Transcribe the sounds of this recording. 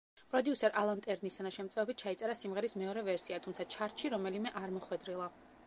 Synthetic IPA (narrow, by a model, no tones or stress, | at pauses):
pʼɾɔd̪iusɛɾʔalˠant̪ʼɛɾnisanaʃɛmt̪sʼɛɔbit̪̚t͡ʃʰait̪sʼɛɾasimʁɛɾismɛɔɾɛvɛɾsiat̪ʰumt̪sʰat͡ʃʰaɾʃʰiɾɔmɛlimɛʔaɾmɔχwɛd̪ɾilˠa